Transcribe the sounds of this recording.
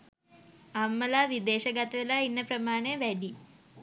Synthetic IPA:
ɐmːɐlaʋid̪eːʃɐɡɐt̪ɐɐlɐinːɐpɾɐmaːɳeʋeɖi

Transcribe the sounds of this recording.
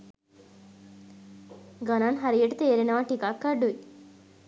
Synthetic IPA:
ɡɐnanɦɐɾijeʈut̪eːɾinɐʋaʈikakːɐɖui

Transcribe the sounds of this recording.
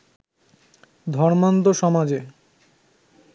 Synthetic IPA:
d̪ʱɔɾmant̪oʃɔmad͡ʑe

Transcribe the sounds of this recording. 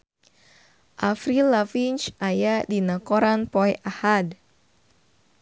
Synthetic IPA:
ʔafɾilafint͡ʃʔajadinakoɾanpɔjʔahad

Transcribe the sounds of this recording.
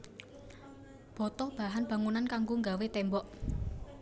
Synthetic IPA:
b̥ɔ̤t̪ɔb̥a̤ɦanb̥ä̤ŋunankaŋɡoŋɡawet̪ɛmbɔʔ

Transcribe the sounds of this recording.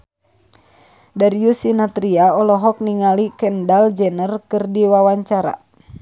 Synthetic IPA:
daɾiusinat̪ɾiaɔlɔɦɔk̚niŋalikɛndald͡ʒɛnərkɨrdiwawaɲt͡ʃaɾa̰

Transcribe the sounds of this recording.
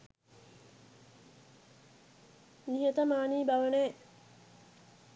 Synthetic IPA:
niɦet̪əmaːniːbaʋəneː

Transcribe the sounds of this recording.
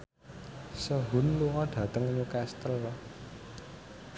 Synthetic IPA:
səɦʊ̤nluŋɔɖ̥ä̤t̪əŋɲukɛst̪əl

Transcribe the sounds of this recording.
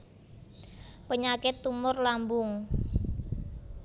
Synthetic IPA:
pəɲakɪt̪ːumʊrlambʊŋ

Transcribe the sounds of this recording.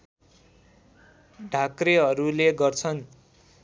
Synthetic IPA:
ɖʱakreɦʌɾuleɡʌrt͡sʰʌn

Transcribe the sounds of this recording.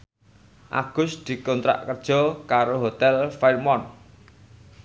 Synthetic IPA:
ʔa̰ɡ̥ʊ̤sd̪̥i̤kɔnt̪ɾa̰ʔkərd̥ʒ̥ɔ̤kaɾoɦot̪ɛlfajrmɔn

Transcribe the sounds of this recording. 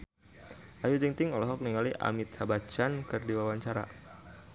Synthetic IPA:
ʔajud͡ʒiŋt̪ɪŋɔlɔɦɔk̚niŋaliʔa̰mit̪habat͡ʃankɨrdiwawaɲt͡ʃaɾa̰

